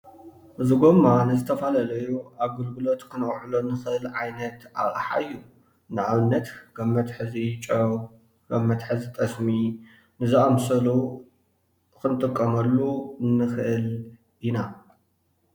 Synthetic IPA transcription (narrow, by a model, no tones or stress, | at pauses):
ʔɨzɨɡomːanɨzɨt̪ʰɐfalalɐjuaβɡɨlɡɨlo̞t̪kʰɨnɐχʼħulonːɨxɨʔɨlʕajnɐt̪ʔa̰βʼħa̰ɨjːu | nɨʕaβɨnːɐt̪ɡ̥ɐmːɐt̪ħɨzit͡ʃʼɐw | ɡ̥ɐmːɐt̪ħɨzit̪ʼɐsmi | nɨzɨʔɐmsɐlu | kɨnt̪ʼɨkʼːɐmɐlːuɨnːɨxʔɨl | ina